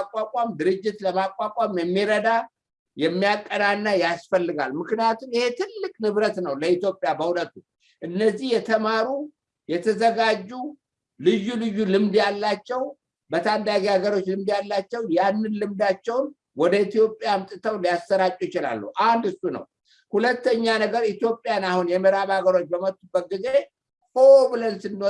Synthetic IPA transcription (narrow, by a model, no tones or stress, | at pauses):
akʼwakʼamd̪ɨɾɨd͡ʒːɪt̪ləmakʼwakʼamjɛmːiɾəd̪a | jɛmːijakʼːənanːajasfəlːɨɡa̰lmɨknijat̪ʰumihe̞t̪ʰɨlːɨkʼnɨβɾət̪nəwləit̪jo̞pʼijabəhulət̪ːu | ʔɨnːəzːihjɛt̪ʰəmaɾu | jɛt̪ʰəzəɡad͡ʒːu | lɨjːulɨjːulɨmd̪jalːat͡ʃːɛw | bət̪ʰand̪aɡihaɡəɾo̞t͡ʃːlɨmd̪jalːat͡ʃːɛwjanːɨnlɨmd̪at͡ʃːɛwn | wɔd̪əit̪ijo̞pʼːjamt̪ʼɨt̪ʰəwlijast̪əɾat͡ʃʼujɪt͡ʃɪla̰lːṵʔand̪ɨsunə̰w | hulət̪ːəɲːanəɡəɾit̪jo̞pʼːjanahunjɛməɾaβaɡəɾo̞t͡ʃːbəmət̪ʼːubːət̪̚ɡize̞ | fʰobɨlənsɨnːo